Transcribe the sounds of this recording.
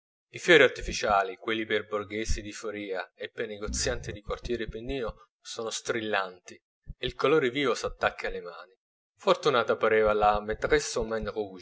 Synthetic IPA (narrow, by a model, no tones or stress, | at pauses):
ifjɔːɾiart̪ifit͡ʃaːlikwelːiperbʊrɡeːzid̪ifoɾiːaepːerneɡot̪sːjant̪id̪ikwart̪jɛːɾepenːiːno | soːnost̪ɾilːant̪i | eilkoloːɾeviːvosat̪ːakːalemaːni | fort̪unaːt̪apaɾeːvalamet̪ʁesomɛnʁu